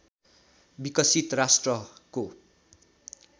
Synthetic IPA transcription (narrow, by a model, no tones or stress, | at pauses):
bikʌsit̪rasʈrʌko